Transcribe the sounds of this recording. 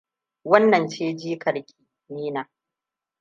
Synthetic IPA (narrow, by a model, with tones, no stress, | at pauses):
wɐ˦nːɐ˨nt͡ʃeː˦d͡ʒiː˦kɐ˨ɽkʲʼi̥ː˨ | niː˦naː˨